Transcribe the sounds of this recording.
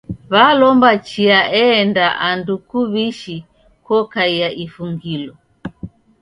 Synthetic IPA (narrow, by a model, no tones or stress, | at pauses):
βalɔmbat͡ʃiaɛːndaʔandukuβiʃi | kɔkaiaʔifuŋɡilɔ